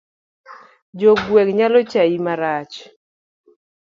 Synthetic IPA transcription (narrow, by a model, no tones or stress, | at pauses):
d͡ʒoɡwɛkɲalɔt͡ʃaimaɾat͡ʃ